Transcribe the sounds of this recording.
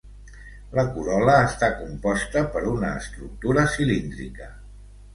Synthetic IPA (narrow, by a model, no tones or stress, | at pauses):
ləkuɾɔləːst̪akumpɔst̪əpəɾunəːst̪ɾuk̚t̪uɾəsilind̪ɾḭkə